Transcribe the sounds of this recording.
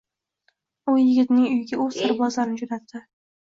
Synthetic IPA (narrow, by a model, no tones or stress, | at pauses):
ʊjɪɡʲɪt̪nɪŋʊjɡʲaʊ̥sɪɾbɒzlaɾnɪd͡ʒʊnat̪ʰːɪ